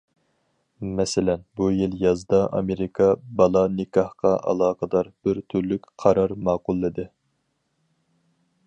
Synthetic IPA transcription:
mɛsɪlɛnbujilˠjɑzd̪ɑʔɑ̰meɾɪkʰɑbɑlˠɑnɪkʰɑhqɑʔɑ̰lˠɑːqəd̪ɑɾb̥ɪɾt̪ʰyɾlykʲqʰɑɾɑɾmɑːqʊlˠːɨd̪ɨ

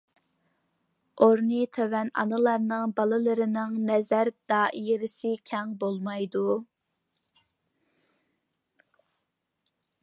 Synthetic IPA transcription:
oɾnit̪ʰøwɛnɑ̰nɨlˠɑɾnɨŋbɑlˠɨlˠɨɾɪnɪŋnɛzæɾd̪̥ɑːʔijɾɪsɪkʲʰɛŋbolˠmɑjd̪u

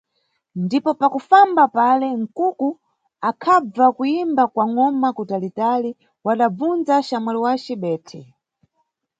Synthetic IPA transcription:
ndipɔpakufambapalɛŋ̩kuku | akʰab͡vakuimbakwaŋɔmakutalitali | waɗab͡vund͡zaʃamwɛliwat͡ʃɛɓɛːtʰɛ

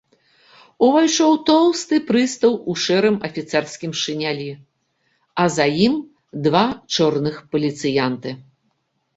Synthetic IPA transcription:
uvajt͡ʂɔwt̪ɔwst̪ɨpɾɨst̪ɐwuʂɛɾɨmɐfʲit̪sɛrskʲimʂɨnʲalʲi | ɐzajim | d̪vat͡ʂɔrnɨxpɐlʲit̪sɨjant̪ɨ

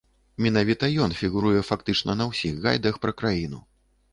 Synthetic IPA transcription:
mʲɛnavʲit̪ɐjɔnfʲiɣuɾujɛfakt̪ɨt͡ʂnɐnɐwsʲiɣɣa̰jd̪ɐxpɾɐkɾajinu

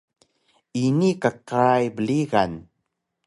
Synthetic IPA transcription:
inikaqaajbəliɣan

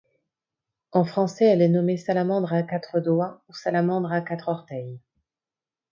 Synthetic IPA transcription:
ɑ̃fχɑ̃sɛɛlɛnɔmesalamɑ̃d̪ʁakat̪χəd̪wausalamɑ̃d̪ʁakat̪χɔʁt̪ɛj

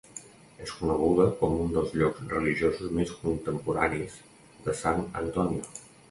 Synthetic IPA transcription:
eskunəɣ̞uðəkɔmund̪əlˠzʎɔkzrəliʒiozuzmeskunt̪əmpuɾa̰niz | d̪əsanə̰nt̪ɔniu

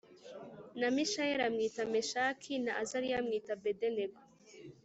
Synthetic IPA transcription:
namiʃajeɾamŋiːtameʃakʰinaazaɾijamŋiːtabedeneɡo

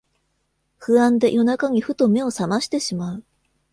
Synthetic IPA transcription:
ɸɯ̟ãnd̪e̞ʔjʔo̞nakaɲ̟iɸɯ̟t̪o̞me̞o̞samaɕi̥t̪e̞ɕimaɯ̟

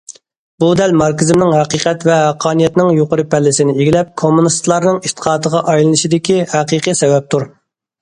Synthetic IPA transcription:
bud̪ɛlmɑɾkʲɪzɪmnɪŋhɛqiqʰɛt̪vɛhæqʰːɑːnijɛt̪nɪŋjoqəɾɨpʰɛlːɪsɪnɪeɡʲilɛp̚kʰomːunist̪lˠɑɾnɨŋit̪ʰə̥qʰɑːt̪əʁɑʔɑjlˠɨnɨʃid̪ɪkʲihæqiqɨsɛvɛp̚t̪ʰuɾ

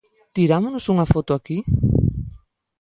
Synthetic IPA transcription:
t̪iɾamʊnʊsuŋɐfot̪ʊaki

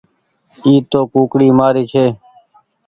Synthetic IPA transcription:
iːt̪oːkũːkɽiːmaːɾiːt͡ʃʰeː

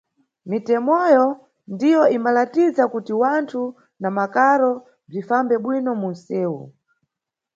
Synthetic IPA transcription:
mitɛmɔjɔ | ndijɔimbalatizakutiwantʰu | namakaɾɔ | b͡ʐifambɛɓwinɔmun̩sɛːwṵ

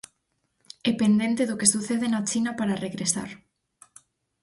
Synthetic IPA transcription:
ɛpend̪ent̪eðʊkesuθeðenat͡ʃinapaɾareɣɾesa̰ɾ

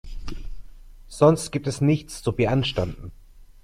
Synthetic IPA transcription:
z̥ɔnstɡ̥iːp̚tɛsnɪçt͡sz̥oviːɐʔanʃtandn̩

